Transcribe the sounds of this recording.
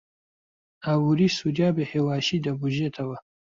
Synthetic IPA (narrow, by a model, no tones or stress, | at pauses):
awuɾisudjaːbehewaːɕid̪ɐbuʒet̪ʰɐwɐ